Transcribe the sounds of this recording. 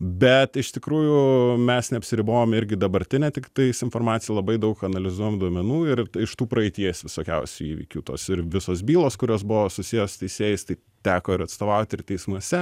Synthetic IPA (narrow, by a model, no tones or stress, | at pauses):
bʲɛt̪ɪʃt̪ʲɪkɾuːjʊmʲɛsnʲɛɐpʲsʲɪɾʲɪboːjomɪɾʲɡʲɪd̪ɐbɐɾʲt̪ʲɪnʲɛt̪ʲɪkt̪ɐɪsɪnfoːɾmɑːt̪sʲɪjɛlˠɐbɐɪd̪ɐʊkɐnɐlʲɪzuɔjomd̪uɔmʲɛnuːɪɾɪʃt̪uːpɾɐɛɪt̪ʲiɛsʲʋʲɪsoːkʲɛʊsʲuḭːʋʲḭːkʲuːt̪o̰ːsɪɾʋʲɪsoːsbʲiːlˠoːskʊɾʲoːsbʊʋoːsʊsʲijoːst̪ʲɛɪsʲeːjɪst̪ɐɪ | t̪ʲæːkoːɪɾɐt̪st̪oːʋɐʊt̪ʲɪrt̪ʲɛɪsmuɔsʲɛ